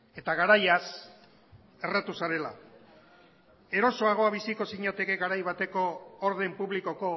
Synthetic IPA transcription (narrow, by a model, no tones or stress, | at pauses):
e̞t̪aɣ̞aɾajas | e̞rat̪usaɾe̞la | e̞ɾo̞so̞aɣ̞o̞aβisiko̞siɲat̪e̞keɡaɾajβ̞at̪e̞ko̞ːɾðe̞mpuβliko̞ko̞